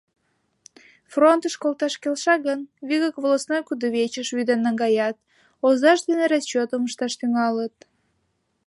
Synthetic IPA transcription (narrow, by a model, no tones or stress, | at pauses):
front̪əʃkolˠt̪ɑʃkelʃɑɣənβiɣəkβolosnojkud̪əβet͡ɕəʃβyd̪ənːɑŋɡɑjɑt̪̚ | ozɑʃd̪eneɾɑst͡ɕot̪əməʃt̪ɑʃt̪yŋɑlət̪̚